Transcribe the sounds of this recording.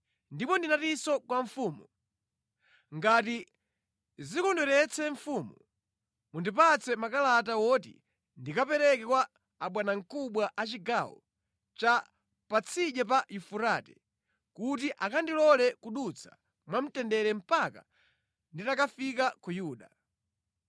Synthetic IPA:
ndipɔndinatisɔkwaɱfuːmu | ŋɡati | zikɔndwɛɾɛt͡sʰɛɱfumu | mundupat͡sʰɛmakalat̬awɔtḭ | ndikapɛɾɛkɛkwaː | ɓwanaŋ̩kuɓwaʔat͡ʃiɡawɔ̰ | t͡ʃa | pat͡sʰiʄɛp̬ajufuɾaːtɛ | kut̬iʔakandilɔlɛkuɗut͡sʰḁ | mwam̩tɛndɛɾɛm̩paka̰ | nditakafikakujuːɗa

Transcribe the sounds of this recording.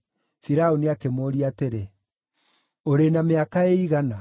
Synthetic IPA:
fiɾaoniakemoːɾiateɾe | oɾenameakaeiɣana

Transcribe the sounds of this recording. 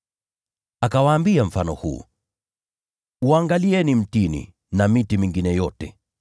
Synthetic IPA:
akawaːmbiaɱ̩fanɔ̰hṵː | uaŋɡaliɛnim̩tinḭ | namitimiŋɡinɛjɔtɛ

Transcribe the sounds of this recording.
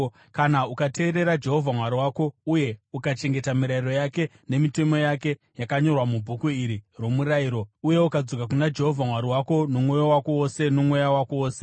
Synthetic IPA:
kanaukate̞ːɾe̞ɾad͡ʒe̞ɦo̞vʱamwaɾiwaːko̞uje̞ukat͡ʃe̞ŋɡe̞tamiɾairo̞jake̞ | ne̞mite̞mo̞jake̞ | jakaɲo̞rwamubʱukuiɾirwo̞muɾaiɾo̞uje̞ukad͡zo̞kak̬unad͡ʒe̞ɦo̞vʱamwaɾiwako̞no̞mŋo̞jowako̞ose̞nomo̞jawakooːse

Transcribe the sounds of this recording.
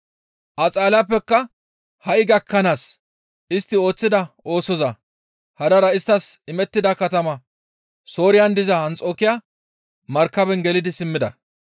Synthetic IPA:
ʔɐt͡sʼaːlapːɛkːɐ | hɐʔɪɡɐkːɐnaːs | ʔɪst̪ːɪo̞ːt͡sːɪd̪ɐʔo̞ːsɔzɐ | hɐd̪ɐɾɐɪst̪ːɐsɪmɛt̪ːɪd̪ɐkɐt̪ɐmɐ | so̞ːɾɪjɐnd̪ɪzɐɐnt͡sʼo̞ːkɪjaː | mɐɾkːɐbɛnɡɛlɪd̪ɪsɪmːɪd̪ɐ̰

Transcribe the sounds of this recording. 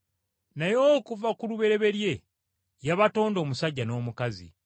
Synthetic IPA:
najo̞ːkuvakuluβe̞ɾe̞βe̞ɾje̞ | jaβato̞ːndo̞ːmusaɟːano̞ːmukazḭ

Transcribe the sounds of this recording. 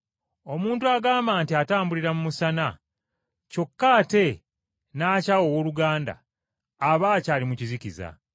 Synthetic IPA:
o̞muːntuaɡaːmbaːntiataːmbuliɾamumusana | co̞kːaːte̞ | naːcawo̞woluɡaːnda̰ː | βaːcaːlimucizikiza̰

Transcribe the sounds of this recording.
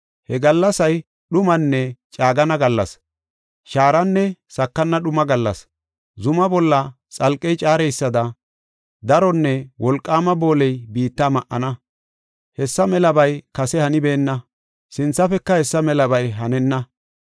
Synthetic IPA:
hɛɡɐlːɐsɐj | ɗʊmɐnːɛt͡ʃʼaːɡɐnɐɡɐlːɐ̰s | ʃaːɾɐnːɛsɐkːɐnːɐɗʊmɐɡɐlːɐ̰s | zʊmɐbɔlːɐ | t͡sʼɐlkʼːɛjt͡ʃʼaːɾɛjsːɐd̪ɐ | d̪ɐɾɔnːɛwɔlkʼːaːmɐbo̞ːlɛjbiːt̪ːamɐʔːɐnɐ | hɛsːɐmɛlɐbɐjkɐsɛhɐnɪbeːnːɐ | sɪnt͡sːɐfɛkːɐhɛsːɐmɛlɐbɐjɦɐnɛnːɐ

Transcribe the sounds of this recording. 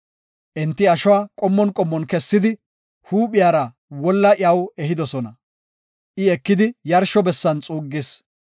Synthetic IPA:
ʔɛnt̪ːɪɐʃɔwaːkʼɔmːɔnkʼɔmːɔnkɛsːɪd̪ɪ | huːpʼɪjaːɾɐ | wɔlːɐʔɪɐwɛɦɪd̪ɔsɔnɐ | ʔɪɛkːɪd̪ɪjɐɾʃɔbɛsːɐnt͡sʼuːɡːɪes

